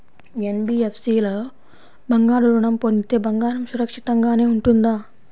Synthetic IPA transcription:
enbiːefsiːlɐ | bɐŋɡaːɽuɾuɳɐmpond̪it̪e̞ːbɐŋɡaːɾɐmsuɾɐkʂit̪ɐŋɡaːne̞ːuɳʈund̪aː

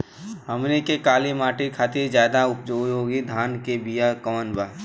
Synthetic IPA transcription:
ɦəmnikekaːlimaːʈikʰaːt̪iɾzjaːd̪aʊpd͡ʒoːoːɡid̪ʱaːnkebijakəənbaː

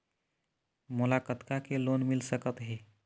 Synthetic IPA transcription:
molakət̪kakelonmilsəkət̪ɦe

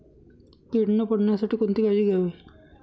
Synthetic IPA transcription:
keɽnəpəɽ̤ɳjasaʈʰiːkont̪ikad͡ʑiɡaʋe

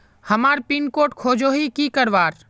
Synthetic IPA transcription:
hɐmaːɾpinkoːʈkʰoːd͡ʒoːɦikikəɾʋaːɾ

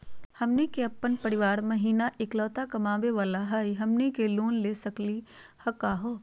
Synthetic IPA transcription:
hɐmnekeɐpːənpɐɾɪʋaːɾmɐɦiːnaʔɪklɔːt̪akɐmaːʋeʋaːlaɦaːiɦɐmnekeloːnleːsɐklihɐkaɦoː

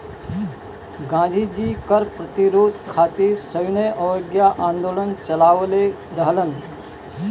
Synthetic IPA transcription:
ɡãd̪ʱid͡ʑiːkəɾpɾət̪iɾoːd̪kʰat̪iɾsəʋnəjʔəjoɡjaʔãnd̪oːlənt͡ʃɐlaːʋle | ɾəɦlən

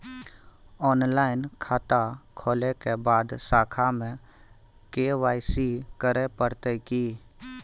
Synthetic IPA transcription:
ɔːnlaːɪnkʰaːt̪akʰoːlekebaːd̪saːkʰamẽ | keːʋaːɪsikəɾepəɾt̪ekiː

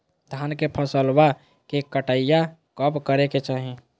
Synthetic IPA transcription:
d̪ʱankepʰəsəlba | kekəʈəijakəpkəɾeket͡ʃaɦi

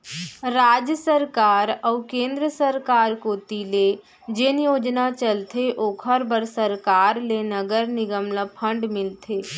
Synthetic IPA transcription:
ɾaːd͡ʒjəsəɾkaːɾəʊkẽːnd̪ɾəsəɾkaːɾkoːt̪ile | d͡ʒenjoːd͡ʒnat͡ʃəlt̪ʰeʔoːkʰəɾbəɾsəɾkaːɾlenəɡəɾnɪɡəmnapʰə̃ɳɖmɪlt̪ʰeː

